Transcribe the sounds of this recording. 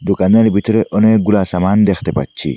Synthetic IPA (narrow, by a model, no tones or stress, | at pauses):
d̪ʊkʼɐnːɐlbɪt̪ɪɾɛʔɔneːɡʊlaːsɐmaːnd̪ext̪ɛpɐ̰t͡ʃːḭ